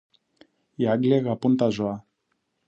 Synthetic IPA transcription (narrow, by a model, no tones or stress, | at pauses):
jaɡleɣapunt̪azoa